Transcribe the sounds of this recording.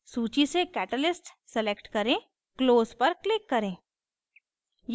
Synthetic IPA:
suːt͡ʃisekɛːʈəlɪsʈsɛlekʈkɐɾẽ | kloːzpɐɾklɪkːɐɾẽː | j

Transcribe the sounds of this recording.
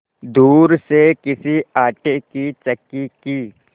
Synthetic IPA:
d̪uːɾsekɪsiaːʈekit͡ʃɐkːikiː

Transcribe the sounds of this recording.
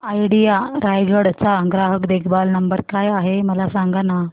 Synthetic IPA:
ajɽijaɾajɡəɽt͡saɡɾaɦəkd̪ekʰbalnəmbəɾkajaɦeməlasaŋɡana

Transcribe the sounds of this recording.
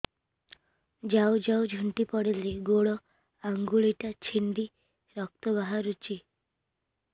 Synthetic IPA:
d͡ʒawd͡ʒawd͡ʒʱuɳʈipɔɽileɡoɽɔ | aŋɡuɭiʈat͡ʃʰind̪i | ɾɔk̚t̪ɔbaɦaɾut͡ʃi

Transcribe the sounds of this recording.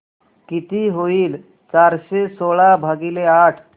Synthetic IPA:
kit̪iɦoiːl | t͡ɕaɾɕesoɭabʱaɡileaʈʰ

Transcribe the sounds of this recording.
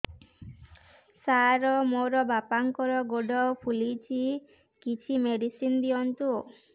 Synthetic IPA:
saɾɔmoɾɔbapaŋkɔɾɔɡoɖɔpʰulit͡ʃʰi | kit͡ʃʰimeɖisind̪iɔnt̪u

